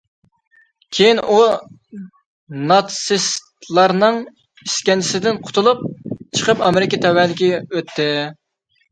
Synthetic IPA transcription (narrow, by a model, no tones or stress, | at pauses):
kʲʰejinʔu | nɑt̪sist̪lˠɑɾnɨŋ | iskʲɛnt͡ʃʰɪ̥sɪd̪ɪnqʰʊ̥t̪ʰʊlˠup̚t͡ʃʰəqʰəpɑmɪɾɪkʲit̪ʰɛwɛlɪkʲiøt̪ʰːɪ